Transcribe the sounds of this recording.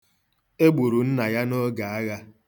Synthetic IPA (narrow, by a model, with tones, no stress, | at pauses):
e˦ɡ͡bu˨ɾu˨n̩˦na˨ja˦no˦ɡa˨a˦ɣa˦